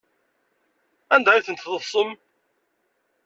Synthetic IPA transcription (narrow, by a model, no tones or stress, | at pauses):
ænd̪æiθənt̪ðˤəfsˤəm